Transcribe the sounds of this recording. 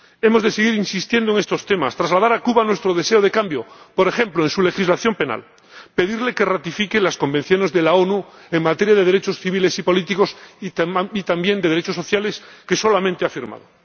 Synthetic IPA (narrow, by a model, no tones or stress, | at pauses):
e̞mo̞zðeseɣ̞iɾinsist̪je̞nd̪oeŋe̞st̪o̞st̪e̞mast̪ɾazlaðaɾakuβanwe̞st̪ɾoð̞eseoð̞e̞kambjopoɾe̞xẽ̞mploensule̞xizlaθjo̞mpe̞na̰l | pe̞ðiɾle̞kerat̪ifikelasko̞mbẽn̟θjo̞nezðe̞laonueŋmat̪eɾjað̞e̞ð̞e̞ɾet͡ʃo̞sθiβ̞ile̞sipo̞lit̪iko̞s | it̪ambje̞nd̪e̞ð̞eɾet͡ʃos̬o̞θjale̞ske̞so̞lamẽnt̪eafiɾma̰ðo